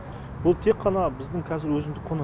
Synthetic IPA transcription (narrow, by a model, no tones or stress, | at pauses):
b̥ʊlˠt̪ʰe̞qʰːɑnɑbɪzd̪ɪŋkʲʰɑzɪɾwɵzɪmd̪ɪqʰo̞nɑ